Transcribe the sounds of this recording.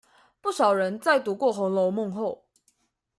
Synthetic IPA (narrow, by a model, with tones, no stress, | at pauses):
pu˥˩ʂɑ˨˩ʊɻə˧˦nt͡sa˥˩ɪt̪u˧˥kwɔ˥˩xʊ˧˥ŋlo˧˥ʊmʊ˥˧ŋxo˥˨ʊ